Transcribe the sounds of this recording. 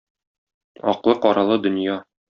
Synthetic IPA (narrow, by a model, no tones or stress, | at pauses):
ɒ̰qlˠɤqɒɾɑlˠɤd̪ɵ̆njɑ